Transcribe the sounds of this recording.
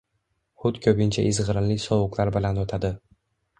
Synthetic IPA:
χʊt̪kʲʰɵbʲɪnt͡ʃʰaʔɪzʁɾɪnlɪsɒwʊqlˠaɾbɪlanot̪ʰad̪ɪ

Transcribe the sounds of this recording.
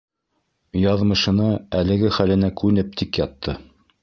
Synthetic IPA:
jɑðmɤ̆ʃɤ̆nɤælɘ̆ɡɘχælɘ̆nækʉnɘp̚t̪ʰikjɑt̪ːɤ

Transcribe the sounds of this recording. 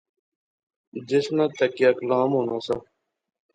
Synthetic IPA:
d͡ʒɪsnãːt̪əkɪjaːklaːmɦoːnaːsaː

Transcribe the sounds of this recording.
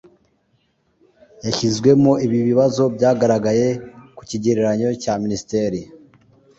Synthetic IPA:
jaçizɡwe̞moʔiβiβiβazo̞bɟaːɡaɾaɡaje̞ku̥ciɟeɾeɾaɲo̞caministeɾi

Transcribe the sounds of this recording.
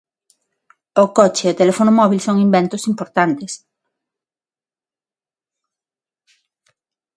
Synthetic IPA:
okot͡ʃeot̪elefonʊmɔβ̞ilsoŋimbent̪ʊsimpoɾt̪ant̪es

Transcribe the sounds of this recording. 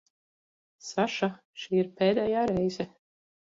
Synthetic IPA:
saʃa | ʃiːiɾpeːd̪ɛːjaːɾɛjzɛ

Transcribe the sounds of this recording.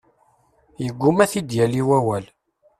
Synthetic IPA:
jəɡʷːʊmæθid̪jæliwæwæl

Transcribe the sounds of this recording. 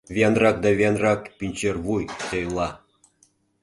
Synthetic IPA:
βʲenrɑk̚d̪ɑβʲenrɑkpʲinʲt͡ɕerβujt̪ejlˠɑ

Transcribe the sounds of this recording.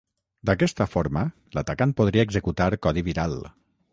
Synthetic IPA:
d̪akɛst̪əfoɾmə | lat̪akanpoð̞ɾiaeɡzəkut̪aɾkɔðiβiɾal

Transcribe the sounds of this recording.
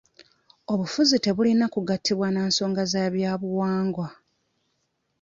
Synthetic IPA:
o̞βufuzite̞βulinakuɡatʰːiβwaneːnso̞ːŋɡazaβjaːβuwaːŋɡwa

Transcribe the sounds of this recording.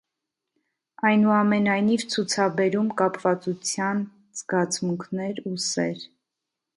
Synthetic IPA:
ɑjnuɑmɛnɑjnivt͡sʰut͡sʰɑbɛɾumkɑpvɑt͡sut͡sʰjɑn | z̥ɡɑt͡sʰmuŋkʰnɛɾusɛɾ

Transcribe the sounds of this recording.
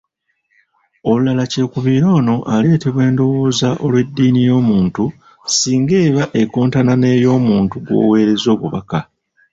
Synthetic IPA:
o̞lulalace̞ːkuβiːɾo̞ːno̞ʔale̞ːte̞βwe̞ːndo̞woːzaʔo̞lwe̞dːiːnijo̞ːmuːntu | siːŋɡe̞ːβaʔe̞koːntanane̞ːjo̞ːmuːntuɡwo̞̰ːwe̞ːɾe̞zo̞ːβuβa̰ka

